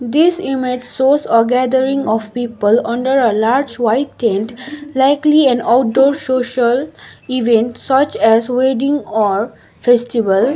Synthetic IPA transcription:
d̪ɪsɪmɪʈːoːsɔɡæd̪əɾɪ̃ŋɔʋpiːpəlʌ̃ɳɖəɾəlaːɾd͡ʒʋaɪʈʈẽnʈlaɪkliɛ̃naʊʈ̚ɖɔːɾsoːʃəliʋẽɳʈsʌt͡ʃɛzweɖɪ̃ŋɔːɾ | fesʈiʋəl

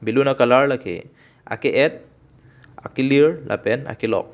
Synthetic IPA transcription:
bilunakalaɾlakʰḛ | a̰keʔɛt̪̚ | a̰kiliɹlʔa̰pɛna̰kilɔ̰k̚

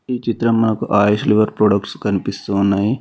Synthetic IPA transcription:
iːt͡ʃit̪ɾɐmːɐnɐkuʔaːjɐʃliʋɐɾpɾoːɖɐkʈskɐnipist̪uːnːaːji

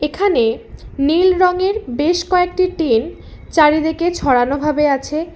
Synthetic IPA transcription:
ekʰanenilɾɔŋeɾbeʃkɔek̚ʈiʈin | t͡ɕaɾid̪eket͡ɕʰɔɽanobʱabeat͡ɕʰe

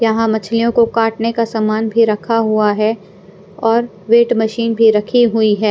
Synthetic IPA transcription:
jɐɦãmɐt͡ʃʰlijõkokaːʈnekasaːmaːnbʱiɾɐkʰaɦuaɦɛ | ɔːɾ | ʋeːʈmɐʃiːnbʱiɾɐkʰiɦʊiɦɛː

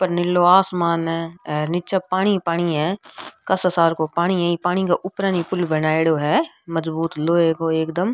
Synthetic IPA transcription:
pəɾnɪlːoaːsmaːnɦɛ̃ːnɪt͡ʃapaːɽ̃ipaːɽ̃iɦɛ̃ːkɐsəsaːɾkopaːɽ̃iɦɛ̃ipaːñikaʔʊpɾaːnipʊlbənaːeɽoːɦɛː | məzbuːt̪loːeːkɦoːeːkd̪əm

